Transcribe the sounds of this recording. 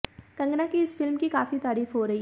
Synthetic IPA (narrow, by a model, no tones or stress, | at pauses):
kɐ̃ŋɡnakiɪsfɪlmkikaːfit̪aːɾiːfɦoːɾɐɦi